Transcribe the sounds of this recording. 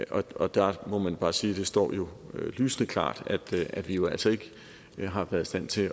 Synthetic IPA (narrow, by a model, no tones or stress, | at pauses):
ʔɒ̽ɒ̽d̥æmɒ̽mænb̥ɑ̈ːsiːd̥e̝sd̥ɒ̰ːjo̝lyːsənəkʰlɑ̰̈ːd̥æd̥æd̥ʋijo̝æl̰sɒe̝ɡ̥ə | ɦɑ̈ʋæɐðˠisd̥æn̰t͡sʰe̝